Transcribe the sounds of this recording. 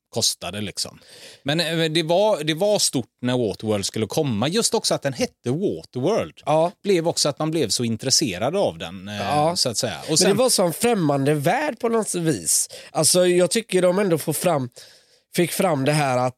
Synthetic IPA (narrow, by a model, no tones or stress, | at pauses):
kʰɔst̪ad̪əlɪksɔ̰mmɛnd̪ɛvad̪ɛvaʂt̪ʊʈːnæɾwoːt̪əwœːld̪skɵlːəkʰɔmːajɵst̪ɔksɔat̪̚d̪ɛnɦɛt̪ːəwoːt̪əwœːld̪̥b̥lɛvɔksɔat̪manblɛvsɔɪnt̪ɾɛseːɾad̪avd̪ɛ̰nːsɔat̪sɛjːa̰ʔɔsd̪ɛvasɔmɛnfɾɛmːand̪əvæːɖpʰɔnɔviːsʔalsɔjɑːɡ̚t̪ʰʏkːəɖɔmɛnd̪ofoːɾfɾamː | fɪkːfɾamːd̪ɛɦæːɾat̪